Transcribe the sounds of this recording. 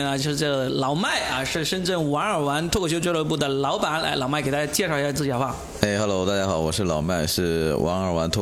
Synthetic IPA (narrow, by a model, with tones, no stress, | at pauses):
nə˧t͡ɕo˥˧ʂɻ̩˥˧˩ʈ͡ʂɡə˩ə˩lɑ˨˩˦ʊma˥˩ɪɐ˨ʂɻ̩˥˩ʂə˥nʈ͡ʂə˥˩nwa˧˥ŋə˞˨˩wa˧˥nt̪ʰwɔ˥˧kʰɕjo˥ʊt͡ɕɛ˥lwə˧˥p̬u˥˩d̪ə˩lɑ˧˥ʊpa˨˩˦nla̰˧˥ɪlɑ˨˩ʊma˥˩ke˨˩ɪt̪ja˥t͡ɕjɛ˥˧ʂɑ˥˧ʊi˥ɕja˥t͡sɹ̩˥˩t͡ɕ̪ə˧˥xwa˥˩ | e˥˩ɪxa˧˥lo˧˥ʊt̪a˥˧˩t͡ɕja˥xɑ˨˩˦ʊwɔ˨˩ʂɻ̩˥˩lɑ˨˩ʊma˥˧ɪʂɻ̩˥˩wʔɑ̰˧˥ŋə˞˨˩wa˧˥nt̪ʰ